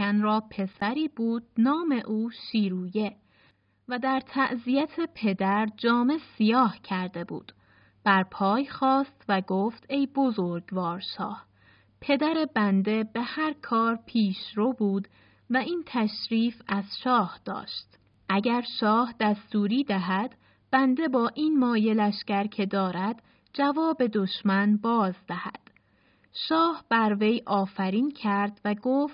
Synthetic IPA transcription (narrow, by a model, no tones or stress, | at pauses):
ænɾɒːpʰe̞sæɾiːbuːd̪̥̚nɒːme̞ʔuːʃiːɾuːje̞ | væd̪æɾt̪ʰæʔzijæt̪ʰepʰe̞d̪æɾd͡ʒɒːme̞sijɒːhcʰæɾd̪e̞bṵːd̪̥ | b̥æɾpʰɒːjxɒːst̪væɡoːft̪e̞jbo̞zoɾɡvɒːɾʃɒ̰ːh | pʰe̞d̪æɾe̞bænd̪e̞be̞hæɾkʰɒːɾpʰiːʃɾobuːd̪ | væiːnt̪ʰæʃɾiːfæz̥ʃɒːhd̪̥ɒ̰ːʃt̪ | ʔæɟæɾʃɒːhd̪̥æst̪uːɾiːd̪æɦæd̪̥ | b̥ænd̪e̞bɒːʔiːnmɒːje̞læʃcæɾkʰe̞d̪ɒːɾæd̪̥ | d͡ʒævɒːbe̞d̪o̞ʃmænbɒːzd̪æhæ̰d̪̥ | ʃɒːhb̥æɾve̞jʔɒːfæɾiːncʰæɾd̪væɡoːft̪